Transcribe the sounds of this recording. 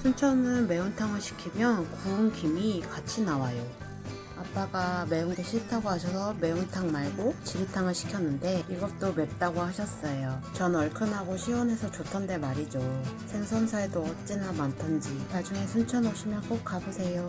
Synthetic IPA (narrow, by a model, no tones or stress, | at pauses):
sʰunt͡ɕʰʌnɯnme̞untʰaŋɯɭɕʰi̥kʰimjʌnkuunkimikat͡ɕʰinawajo | ap͈aɡame̞uŋɡeɕʰitʰaɡoɦaɕʰʌsʰʌme̞untʰaŋmaɭɡot͡ɕiɾitʰaŋɯɭɕʰi̥kʰjʌnːɯnde̞iɡʌp̚t͈ome̞t̚t͈aɡohaɕʰʌs͈ʌjot͡ɕʌnʌɭkʰɯnɦaɡoɕʰiwʌne̞sʰʌt͡ɕotʰʌndemaɾid͡ʑosʰensʰʌnsʰaedoʌt̚t͡ɕ͈inamantʰand͡ʑimad͡ʑuŋe̞sʰunt͡ɕʰʌnʌɕʰimjʌnk͈ok̚k͈abosʰe̞jo